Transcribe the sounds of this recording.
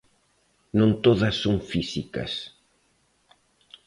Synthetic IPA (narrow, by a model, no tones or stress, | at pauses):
nõnt̪oðɐsːoŋfisikɐ̰s